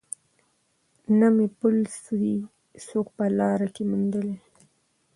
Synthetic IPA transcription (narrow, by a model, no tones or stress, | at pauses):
namepʊlswi | sokpəlɑɾakemund̪əle